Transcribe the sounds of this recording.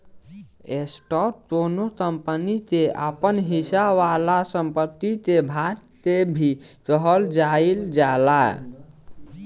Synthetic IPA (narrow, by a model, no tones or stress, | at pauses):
esʈɔp̚d̪onok̪əmpənit̪eʔa̰pənɦisaʋalasəmpət̪ːit̪ebʱaɾt̪ebʱikəɦəld͡ʒaild͡ʒala̰